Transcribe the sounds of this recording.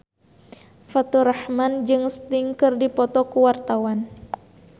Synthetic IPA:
fat̪uɾahmand͡ʒɨŋst̪iŋkɨrdipɔt̪ɔkuwart̪awan

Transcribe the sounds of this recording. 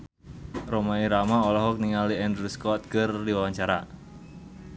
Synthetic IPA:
romaiɾamaolɔɦɔk̚niŋaliɛnd̪ɾuskɔt̪̚kərdiwawaɲt͡ʃaɾa̰

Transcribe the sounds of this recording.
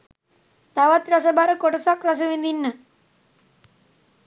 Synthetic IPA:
t̪aʋat̪ɾasəbaɾəkoʈəsakras̬əʋind̪inːə

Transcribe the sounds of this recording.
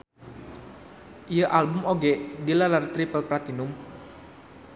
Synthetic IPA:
ʔijəʔalbʊmoɡɛdilalart̪ɾipəlpɾat̪inʊm

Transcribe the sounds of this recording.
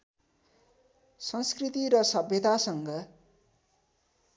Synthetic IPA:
sʌnskrit̪iɾʌsʌbʱjʌt̪asʌŋɡʌ

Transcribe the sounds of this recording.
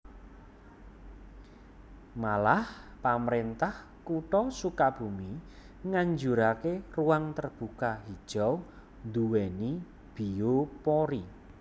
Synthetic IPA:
malahpaməɾent̪ah | kuʈɔsukab̥umi | ŋaɲd͡ʒuɾakeruwaŋt̪ərb̥ukaɦid̥ʒ̥ɔw | nd̪uwɛni | b̥iopɔɾi

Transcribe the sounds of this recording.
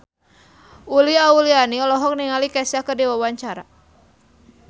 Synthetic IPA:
uliaulianiɔlɔɦɔk̚niŋalikasakədiwawaɲt͡ʃaɾa̰

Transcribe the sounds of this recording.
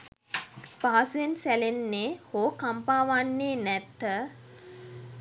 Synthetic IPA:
paɦasujensælenːeːhoːkampaːʋanːeːnɛt̪ːə

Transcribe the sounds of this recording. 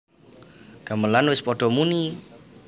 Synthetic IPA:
ɡ̥aməlanwɪspɔɖ̥ɔmuni

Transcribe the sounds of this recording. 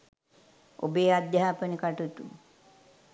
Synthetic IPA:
o̰beːad̪jaaːpənikaʈut̪u

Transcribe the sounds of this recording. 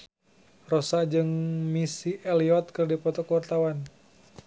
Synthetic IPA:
rɔsad͡ʒɨŋmisiɛliɔt̪̚kɨrdipɔt̪ɔkwart̪awan

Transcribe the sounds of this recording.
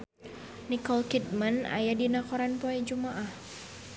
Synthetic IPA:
nikɔlkit̪̚mana̰jadinakɔɾanpoɛd͡ʒumaʔah

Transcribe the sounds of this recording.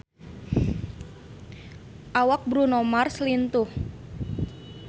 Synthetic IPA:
ʔawak̚bɾunomarslint̪uh

